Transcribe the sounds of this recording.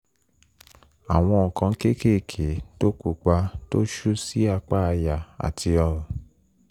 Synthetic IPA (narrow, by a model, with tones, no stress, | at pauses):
a˨w̃ɔ̃˧ɔ˨kã˧˦ke˦ke˦˨kʰe˨˦to˦ku˦˨k͡pa˧to˦ʃu˦si˦a˧k͡pa˦˧ja˨a̰˨tʰi˧ɔ˧ɾɔ̃˨